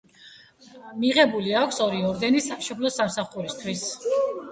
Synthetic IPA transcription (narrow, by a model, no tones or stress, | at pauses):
miʁɛbuliakʷʰsɔɾiɔɾd̪ɛnisaʃɔpʰlɔsamsaχuɾist̪ʰwis